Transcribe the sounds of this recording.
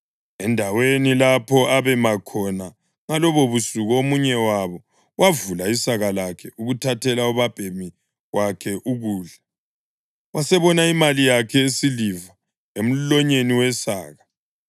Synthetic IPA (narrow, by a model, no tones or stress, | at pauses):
ɛndʱawenilapʰɔaβɛmakʰɔna | ŋalɔβoβusuɣomuɲɛwaβɔ | wavulaisaɣalakʰɛuɣutʰatʰɛlauβab̥ʱemi | wakʰɛʔuɣuːɮa | wasɛβɔnaimalijakʰɛesiliva | em̩lɔɲeniwɛsa̰ːɣa